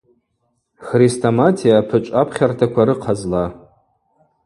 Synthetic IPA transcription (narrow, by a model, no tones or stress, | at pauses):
χristʰomatʰijapʰɨt͡ʃʷʼapʰχʲartʰakʷaɾɨqʰazla